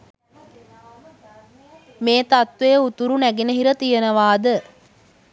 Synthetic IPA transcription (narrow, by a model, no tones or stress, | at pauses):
meːt̪at̪ʋejəut̪uɾunæɡenəɦiɾət̪ijənəʋaːd̪ə